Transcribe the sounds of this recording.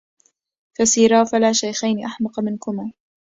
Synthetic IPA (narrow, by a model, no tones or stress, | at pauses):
fasiːɾaːfalaːʃajxajnɪʔaħmɑqmɪnkʊmaː